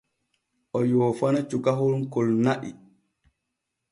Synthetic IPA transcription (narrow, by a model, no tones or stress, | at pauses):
ʔɔjɔːfanat͡ʃukaɦɔɾunkɔlnaʔḭ